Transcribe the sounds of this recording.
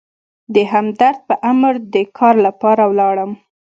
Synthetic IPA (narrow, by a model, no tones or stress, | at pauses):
d̪əɦamd̪aɾd̪̚pəʔamɾd̪əkʰɑɾlapɑɾawlɑɽəm